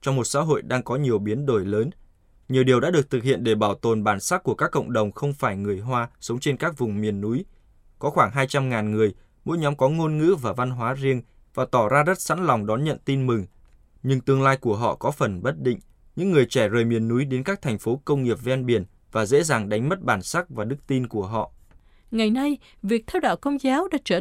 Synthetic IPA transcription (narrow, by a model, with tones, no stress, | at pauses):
t͡ɕɔ˧ŋ͡mmo˨˩t̚sa̰ː˧˥ɦo̰˧˨jɗaː˧ŋkɔ˨˦ɲi˨˩əwɓi˨˦ənɗo˧˩jləː˨˦n | ɲi˨əwɗi˨˩əwɗa̰ː˧˥ɗɨ˨˩ək̚t̪ɨ˨˩k̚hḭ˧˨ənɗe˧˩ɓaː˧˩wt̪o˨˩nɓaː˧˩nsaː˦˥t̚ku˧˩əkaː˦˥kːə̰˧˨wŋ͡mɗə˨˩wŋ͡mxə˧wŋ͡mfaː˧˩jŋɨ˨˩əjɦwaː˧sə˨˦wŋ͡mt͡ɕe˧nkaː˦˥k̚vʊ˨˩ŋ͡mmi˨˩ənːu˨˦j | kɔ˨˦xwaː˧˩ŋɦaː˧jt͡ɕa˧mŋaː˨˩nŋɨ˨˩əj | mo̰˧˥jɲɔ˨˦mkɔ˨˦ŋo˧nŋɨ̰˧˥vaː˨˩va˧nɦwaː˨˦zi˧əŋ | vaː˨˩t̪ɔ˧˩zaː˧zə˦˥t̚sa̰˧˥nlɔ˨˩wŋ͡mɗɔ˨˦nɲə̰˧˨nt̪i˧nmɨ˨˩ŋ | ɲɨ˧ŋt̪ɨ˧əŋlaː˧jku˧˩əɦɔ̰˧˨kɔ˨˦fə˨˩nɓə˦˥t̚ɗḭ̈˧˨ŋ̟ | ɲɨ̰˧˥ŋːɨ˨˩əjt͡ɕɛ˧˩zəː˨˩jmi˨˩ənːu˨˦jɗe˨˦nkaː˦˥k̚t̪ʰɛ˨˩ŋ̟fo˨˦kə˧wŋ͡mŋi˨˩əp̚vɛ˧nɓi˧˩ən | vaː˨˩zḛ˧˥zaː˨˩ŋɗa˨˦jŋ̟mə˦˥t̚ɓaː˧˩nsaː˦˥k̚vaː˨˩ɗɨ˦˥k̚t̪i˧nku˧˩əɦɔ̰˧˨ʔ | ŋa˨˩jna˧j | vi˨˩ək̚t̪ʰɛ˧wɗa̰ː˧˨wkə˧wŋ͡mzaː˨˦wɗa̰ː˧˥t͡ɕəː˧˩